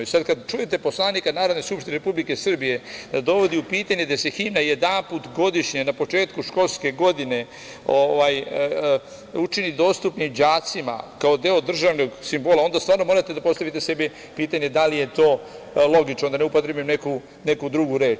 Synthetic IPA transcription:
isad̪kad̪t͡ʃuje̞t̪e̞po̞slˠaːnikanaːɾo̞d̪ne̞skupʃt̪ineɾepublikesr̩bijed̪ad̪o̞ʋo̞d̪iupiːt̪aɲed̪ase̞ximnajed̪anput̪ɡo̞d̪iʃɲenapo̞t͡ʃe̞ːt̪kuʃko̞lske̞ɡo̞d̪ine̞ | oʋaj | ut͡ʃinid̪o̞ːst̪upnimd͡ʑaːt̪sima̰kao̞d̪e̞od̪r̩ʒaʋno̞ɡsimbo̞ːlaond̪ast̪aːɾno̞mo̞ɾat̪e̞d̪apo̞st̪aʋit̪ese̞bi | piːt̪aɲe̞d̪alije̞t̪o̞ː | lo̞ɡit͡ʃnond̪aneupot̪ɾebujemneku | ne̞kud̪ɾuɡuɾe̞ːt͡ʃ

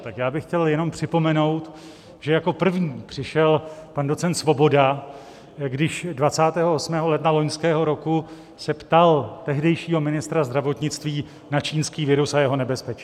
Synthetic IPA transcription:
t̪akjaːbɪxcɛljɛno̞mpr̥ɪpo̞mɛno̞wt̪ | ʒ̥ɛjako̞pr̩vɲiːpr̝̥ɪʃɛlpando̞t͡sɛnt̪svo̞bo̞da | ɡdɪʃdvat͡saːt̪ɛːɦoʔosmɛːɦo̞lɛdnalo̞ɲskɛːɦo̞ɾo̞ku | sɛpt̪alt̪ɛɦdɛjʃiːɦo̞mɪnɪst̪ɾazd̪ɾavo̞t̪ɲɪt͡st̪viː | nat͡ʃiːnskiːvɪɾusajɛɦo̞nɛbɛspɛt͡ʃi

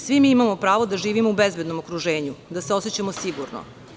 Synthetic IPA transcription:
sʋimiimamopɾaːʋod̪aʒiːʋimoubezbed̪no̞mokɾuʒe̞ːɲud̪aseo̞set͡ɕamo̞siɡuɾno̰

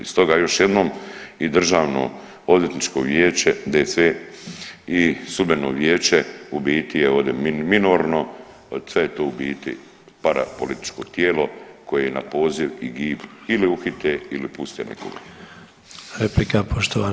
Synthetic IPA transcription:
ist̪o̞ɡaːjo̞ʃje̞d̪nomid̪r̩ʒaːʋno̰ | od̪jet̪nit͡ʃko̰ʋjeːt͡ʃed̪esʋe | isud̪benoːʋjeːt͡ʃeubiːt̪ijeo̞ːʋd̪ʲemminoɾno̞ | sʋejet̪oːubiːt̪ḭ | paɾa̰polit̪i̥t͡ʃko̞̰t̪jeːlo̞ko̞jejena̰po̞ːziʋiɡiːpiliuxit̪eilipust̪ḛnʔḛko̰ɡa̰ | ɾeplikapʰoʃt̪oʋa

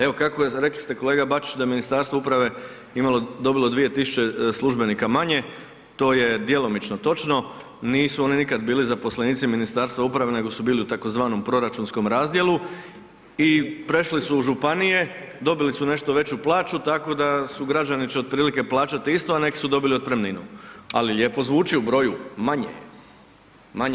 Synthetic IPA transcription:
eʋo̞kakoɾe̞kli̥st̪e̞ko̞leːɡabat͡ʃi̥t͡ʃd̪ajeminist̪aːɾst̪ʋaupɾaʋe̞ | imalˠod̪o̞bilˠo̞d̪ʋije̞t̪isu̥t͡ʃe̞slˠuʒbe̞niːkamaɲe̞ | t̪o̞ːje̞d̪jelˠo̞mit͡ʃnot̪o̞t͡ʃno̞ | niːsuo̞ninikad̪biːlizapo̞sleniːt̪siminist̪aːɾst̪ʋaupɾaʋe̞ne̞ɡo̞subiːliut̪ako̞zʋaːno̞mpɾo̞ɾat͡ʃunsko̞mɾaːzd̪je̞lu | ipɾe̞ʃlisuːʒupanije̞ | d̪o̞bilisune̞ʃt̪oʋe̞t͡ɕuplˠaːt͡ʃut̪ako̞d̪asuɡɾad͡ʑanit͡ɕeopɾiːlike̞plˠaːt͡ʃat̪iist̪oane̞ki̥sud̪o̞biliod̪̚pɾe̞mninṵa̰liʎjeːpo̞zʋuːt͡ʃiubɾo̞jumaɲḛ | maɲ

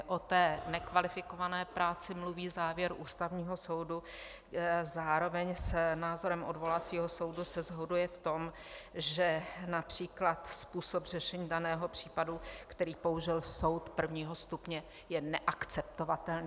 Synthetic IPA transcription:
ʔot̪ɛːnɛkvalɪfɪkovanɛːpɾaːt͡sɪmluviːzaːvjɛɾʔuːst̪avɲiːɦo̞so̞wdu | zaːɾo̞vɛɲsnaːzo̞ɾɛmʔodvo̞lat͡siːɦo̞so̞wdusɛzɦodujɛft̪o̞m | ʒɛnapr̥iːklat̪spuːsopr̝ɛʃɛɲiːdanɛːɦo̞pr̝̥iːpadukt̪ɛɾiːpouʒɪlso̞wt̪pr̩vɲiːɦost̪upɲɛ | jɛnɛʔakt͡sɛpt̪ovat̪ɛlni

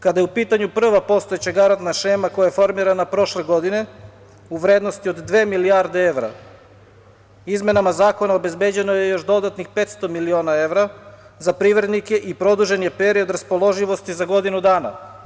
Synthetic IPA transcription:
kad̪ajeupiːt̪aɲupr̩ʋapo̞st̪o̞jet͡ɕaɡaɾant̪naʃeːmako̞jajefo̞ɾmiɾanapɾo̞ʃle̞ɡo̞d̪ine̞ | uʋɾeːd̪nost̪io̞d̪ːʋe̞ːmilijaɾd̪e̞eʋɾa̰ | izme̞namazaːko̞naobe̞zbe̞ːd͡ʑeno̞je̞jo̞ʃd̪o̞d̪at̪nixpet̪st̪o̞milio̞ːnae̞ʋɾa | zapɾiʋɾed̪nike̞ʔipɾo̞d̪uʒe̞njepe̞ɾio̞d̪ɾaspo̞lˠo̞ʒiʋo̞st̪izaɡo̞d̪inud̪aːna̰

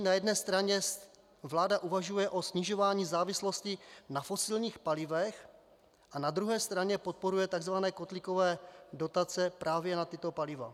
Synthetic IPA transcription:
najɛdnɛːst̪ɾaɲɛ | vlaːdaʔuvaʒujɛʔo̞sɲɪʒo̞vaːɲiːzaːvɪslo̞scɪnafo̞sɪlɲiːxpalɪvɛx | ʔanad̪ɾuɦɛːst̪ɾaɲɛpot̪̚po̞ɾujɛt̪aɡzvanɛːkot̪lɪko̞vɛːdo̞t̪at͡sɛpɾʔaːvjɛnat̪ɪt̪o̞palɪva̰

